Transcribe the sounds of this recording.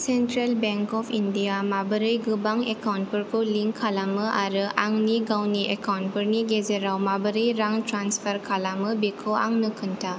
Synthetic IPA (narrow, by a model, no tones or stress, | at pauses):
sentɾelbeŋkɔpʰindiamabɯɾɯjɡɯbaŋekawnt̚pɯɾkʰuliŋkʰalamɯʔaɾɯʔaŋniɡawniʔekawnt̚pɯɾniɡezeɾawmabɯɾɯjɾaŋtɾanspʰɐɾkʰalamɯbikʰoa̰ŋnɯkʰɯntʰa